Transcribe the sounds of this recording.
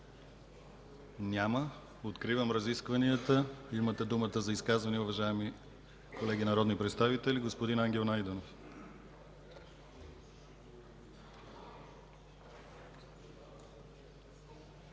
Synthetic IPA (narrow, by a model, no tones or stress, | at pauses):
nʲamə | ot̪kɾivəmɾɐziskvɐniət̪əimət̪ɛd̪umət̪əzɐiskazvɐniɛuvɐʒaɛmi | kolɛɡʲinɐɾɔd̪nipɾɛt̪st̪avit̪ɛlʲiɡospod̪inaŋɡʲɛlˠnajd̪ɛnof